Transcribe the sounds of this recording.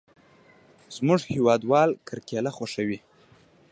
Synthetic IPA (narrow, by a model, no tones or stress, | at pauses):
z̥mʊʐhewɑd̪wɑlkʰaɾkelaxaʂawi